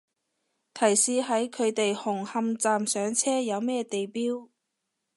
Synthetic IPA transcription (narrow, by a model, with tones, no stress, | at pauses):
t̪ʰɐ˨˩jsiː˧ɦɐ˨˥jkʰɵ˨˧ɥt̪e˨jhʊ˨˩ŋhɐ˧mt͡saː˨msœː˨˥ŋt͡sʰɛː˥jɐ˨˧wmɛː˥t̪e˨jpiː˥w